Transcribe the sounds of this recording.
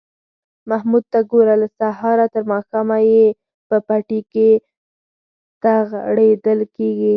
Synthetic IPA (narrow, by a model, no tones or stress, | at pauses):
mahmud̪̚t̪aɡoɾalasaɦɑɾat̪əɾmɑxamaje | pəpaʈike | t̪aɣɽed̪əlkeɡi